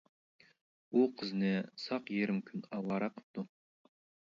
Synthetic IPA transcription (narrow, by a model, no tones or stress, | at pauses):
woqʰəzɪnesɑqjeɾɪmkʲʰʏnɑlɑɾɑqʰə̥p̚t̪ʊ